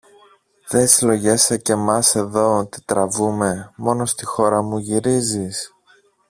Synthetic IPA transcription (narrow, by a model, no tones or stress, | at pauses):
ðe̞silo̞ʝe̞sɐce̞mɐse̞ðo̞t̪i̥t̪ɾɐvume̞mo̞no̞st̪ixo̞ɾɐmuʝiɾizis